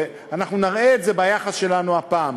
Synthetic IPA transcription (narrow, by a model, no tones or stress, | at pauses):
anaχnunaʁeːtze̞bajaχasʃe̞lanuapaːm